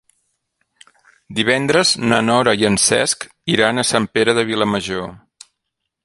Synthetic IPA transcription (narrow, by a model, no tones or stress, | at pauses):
d̪iβ̞ɛnd̪ɾəznənɔɾəiənsɛ̰sk | iɾanəsampeɾəðəβiləməʒo